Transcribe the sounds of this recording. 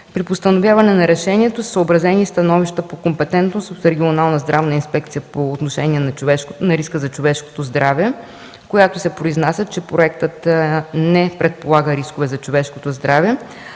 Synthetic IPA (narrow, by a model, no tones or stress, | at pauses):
pɾipost̪ɐnovʲjavɐnɛnɐɾɛʃɛniɛt̪ossəːbɾɐzɛnist̪ɐnɔviʃt̪əpokompɛt̪ɛnt̪nost̪ot̪ɾɛɡʲionalˠnəzd̪ɾavnəinspɛkt̪sijəpoːt̪noʃɛniɛnɐvɛnɐɾiskəzɐt͡ʃovɛʃko̥t̪ozd̪ɾavɛ | kojat̪osɛpɾoiznasʲət͡ʃɛpɾoɛkt̪ət̪nɛpɾɛt̪̚polˠaɡəɾiskovɛzɐt͡ʃovɛʃkot̪ozd̪ɾavɛ